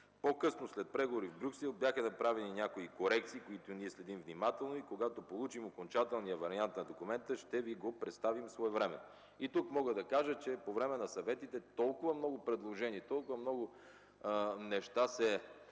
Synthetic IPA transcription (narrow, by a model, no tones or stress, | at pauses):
pokɤsnoslɛt̪̚pɾɛɡovoɾivbɾuksɛlˠbjaxənɐpɾavɛninʲjakoikoɾɛk̚t̪siːkoit̪oniɛslɛd̪imvnimat̪ɛlˠnoikoɡat̪opolˠut͡ʃimokont͡ʃat̪ɛlˠnijəvɐɾiant̪nɐd̪okumɛnt̪əʃt̪ɛviɡopɾɛt̪st̪avimsvɔɛvɾɛmɛ̰ | it̪ukmɔɡəd̪ɐkaʒət͡ʃɛpovɾɛmɛnɐsɐvɛt̪it̪ɛt̪ɔlˠkʊvɐmnɔɡʊpɾɛd̪lˠoʒɛniɛt̪ɔlˠkʊvɐmnɔɡʊ | nɛʃt̪asɛ